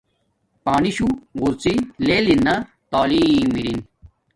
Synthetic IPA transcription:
paːniɕuɣuɾt͡sileːlinːɐ | t̪aːliːmiɾin

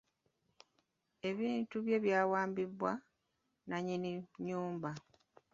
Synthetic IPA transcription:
e̞βiːntuβje̞βjaːwaːmbibwa | naɲiniɲuːmba

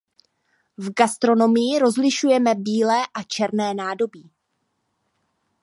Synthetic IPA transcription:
vɡast̪ɾo̞no̞mɪjɪɾo̞zlɪʃujɛmɛbiːlɛːʔat͡ʃɛɾnɛːnaːdo̞biː

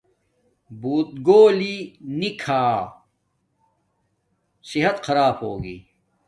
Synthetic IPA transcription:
buːt̪̚ɡoːlinikʰaː | sɪɦɐt̪xɐɾaːbɦoːɡḭː

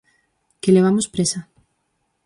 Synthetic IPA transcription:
keleβ̞amʊspɾesa

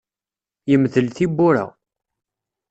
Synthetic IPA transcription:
jəmðəlθibːʊɾa̰

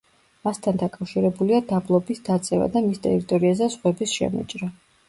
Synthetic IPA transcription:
mast̪ʰand̪akʼafʃiɾɛbuliad̪ablˠɔbisd̪at̪sʼɛva̰d̪amist̪ʼɛ̰ɾit̪ʼɔɾiazɛsχwɛbisʃɛ̰mṵt͡ʃʼɾa

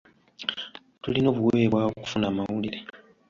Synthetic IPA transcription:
tulino̞ːβuweβwaːβoku̥funaːmawuliɾe

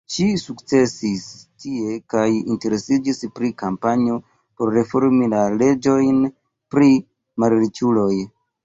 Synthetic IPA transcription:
ʃisukt͡se̞sistie̞kajḭnte̞ɾe̞sid͡ʒispɾikampaɲio̞ | po̞ɾːe̞fo̞ɾmilale̞d͡ʒo̞jn | pɾi | malɾit͡ʃulo̞j

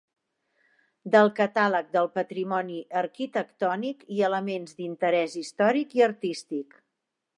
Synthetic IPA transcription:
d̪əlˠkət̪alək̚d̪əlˠpət̪ɾimɔniʔəɾkit̪əkt̪ɔnikiələmenzd̪int̪əɾɛzist̪ɔɾikiəɾt̪ist̪ik

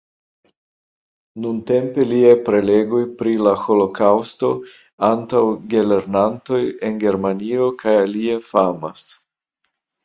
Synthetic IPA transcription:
nunte̞mpe̞liepɾe̞le̞ɡujpɾilaxo̞lo̞kʰawsto̞ | antawɡe̞le̞ɾnanto̞je̞nɡe̞ɾmanio̞kʰajaliefamas

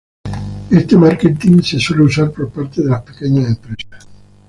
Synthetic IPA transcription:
est̪emaɾket̪iŋsesoleusaɾpoɾpaɾt̪eðelaspekeɲasẽmpɾesḁ

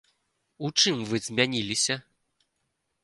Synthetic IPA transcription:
ut͡ʂɨmvɨzʲmʲanʲilʲisʲɐ

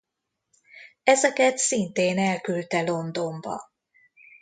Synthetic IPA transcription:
ɛzɛkɛt̪sint̪eːnɛlkylt̪ɛlo̞nd̪o̞mbɒ̰

